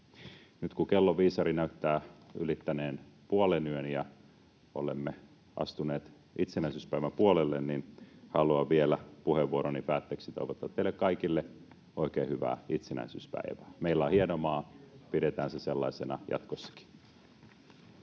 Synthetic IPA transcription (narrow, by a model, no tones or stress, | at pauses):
nyt̪kukelːoʋiːsɑɾinæyt̪ːæːy̰lit̪ːæneːn | puolenyønijɑ | o̰lemːe | ʔɑ̰st̪uneːt̪ | ʔit̪senæisyːspæiʋæmpuolelːenninhɑluɑʋielæpuheʋːuoɾonipæːt̪ːeːksit̪o̞iʋot̪ːˑɑt̪ːeilekkɑikilːe | oikeːhyʋæ̰ːit̪senæ̰isy̰ːspæ̰iʋæːmeilːɑːhienomɑːpiɾet̪æːnseselːɑ̰isenɑjɑ̰t̪kosːɑ̥ki̥